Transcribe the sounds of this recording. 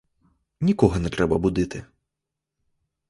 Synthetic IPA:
nʲikɔɣɐnɛt̪ɾɛbɐbud̪ɨt̪ɨ

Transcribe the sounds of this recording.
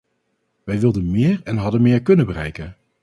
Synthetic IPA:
ʋɛjʋɪlˠdənmɪːɹɛnɦɑdənmɪːɹkɵnəbərɛ̰jkən

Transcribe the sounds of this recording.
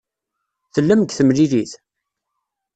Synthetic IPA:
θəlːəmɡθəmliliθ

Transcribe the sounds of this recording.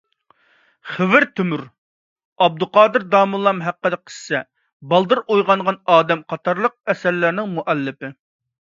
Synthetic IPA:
χɪvɪɾt̪ʰymyɾ | ɑb̚d̪ʊqɑːd̪ɨɾd̪ɑːmulˠɑmɦæqːəd̪ɛqʰə̥ssɛ | bɑlˠd̪ɨɾujʁɑɴʁɑnɑːd̪ɛmqʰɑt̪ʰɑɾlˠəq̚ɛsæɾlæɾnɪŋmuʔɛlːɪpɪ

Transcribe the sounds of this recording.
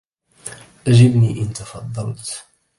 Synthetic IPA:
ʔæʒɪbniʔənt̪ɑfɑd̪ˤːɑlt̪

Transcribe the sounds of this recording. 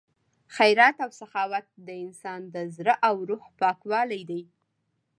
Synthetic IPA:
xajɾat̪awsaxɑwat̪̚d̪əɪnsɑnd̪əzɾəʔawɾuhpɑkwɑlajd̪aj

